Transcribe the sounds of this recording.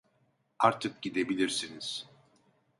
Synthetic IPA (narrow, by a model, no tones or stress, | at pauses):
aɾt̪ʰɯk̚ɟid̪e̞bilʲiɾsiniz̥